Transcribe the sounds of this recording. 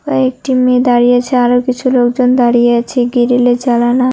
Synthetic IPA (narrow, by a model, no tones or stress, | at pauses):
kaek̚ʈimed̪aɾijet͡ɕʰeaɾokit͡ɕʰulokd͡ʑond̪aɾijeat͡ɕʰeɡiɾiled͡ʑalana